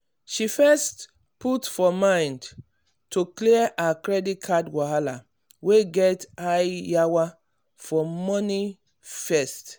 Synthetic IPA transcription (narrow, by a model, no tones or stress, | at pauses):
ʃifɛst | putfɔmãɪ̃nd | tukliʔakɹɛdit̚kʰadwahala | weɡɛtajjawa | fɔmɔni | fɛst